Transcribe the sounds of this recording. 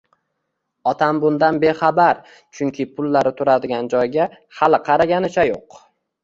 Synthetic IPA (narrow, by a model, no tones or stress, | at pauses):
ɒt̪ʰambʊnd̪anbe̞χabaɾ | t͡ʃʰʊŋkʲʰɪpʰʊlːaɾɪt̪ʰʊɾad̪ɪɡʲand͡ʒɒjɡʲa | halɪqʰɑɾaɡʲanɪt͡ʃʰajoq